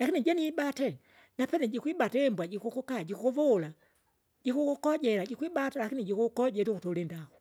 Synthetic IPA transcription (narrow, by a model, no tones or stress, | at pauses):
lakinid͡ʒɛniɓatɛ | napɛnɛd͡ʒikuiɓatɛmbwad͡ʒikukukad͡ʒikukuvula | d͡ʒikukukɔɟɛlad͡ʒikiɓatalakinid͡ʒikukɔɟɛɾukutɔlindakɔ